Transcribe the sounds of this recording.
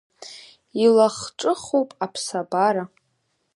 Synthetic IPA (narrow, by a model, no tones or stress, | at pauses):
ilaχʈ͡ʂʼɨχowpʼapʰsabaɾa